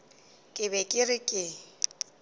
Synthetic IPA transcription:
kʼɪbɛkʼɪrɪkʼɪ

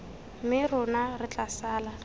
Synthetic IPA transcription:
mɪrʊnarɪt͡ɬʼasaːla

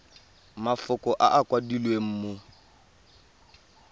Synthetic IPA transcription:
mafʊkʼɔʔa̰ʔakʼwadilwem̩ːmo

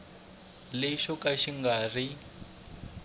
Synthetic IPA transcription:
lɛʃɔkaʃiŋɡari

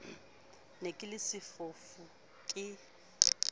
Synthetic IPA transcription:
nekʼɪlɪsɪfofu | kʼɪ

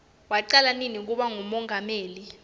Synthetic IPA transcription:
waǃalaninik̬ʼuɓaŋumɔŋʱameːli

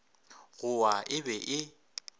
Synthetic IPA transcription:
ɣʊaʔɪbɛʔɪ

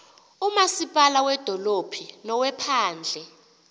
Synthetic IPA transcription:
umasipʼalawɛd̥ʱɔlopʰinɔwɛpʰaːnd͡ɮʱɛ

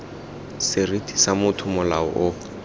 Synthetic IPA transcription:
sɪritʰʼi̥samʊtʰʊmʊlaɔ̰ʔʊ

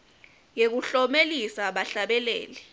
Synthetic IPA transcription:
jek̬uɬɔmelisaɓaɬaɓɛlɛ̰ːlɛ

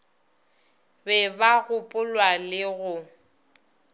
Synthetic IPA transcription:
bɛbaɣʊpʼʊlwalɪɣʊ

